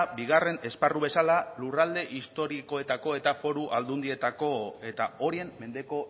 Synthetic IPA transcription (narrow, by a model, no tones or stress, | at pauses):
biɣ̞are̞ne̞sparuβe̞salalurald̪e̞ʔist̪o̞ɾiko̞e̞t̪ako̞e̞t̪afo̞ɾuʔald̪und̪ie̞t̪ako̞e̞t̪ao̞ɾie̞mːe̞nd̪e̞ko̞